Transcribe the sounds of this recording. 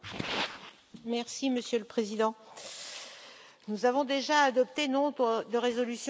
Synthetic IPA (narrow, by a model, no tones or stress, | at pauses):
mɛʁsiməsjøləpχezid̪ɑ̃ | nuzavɔ̃d̪eʒaːd̪ɔp̚t̪enɔ̃d̪əʁezɔlysj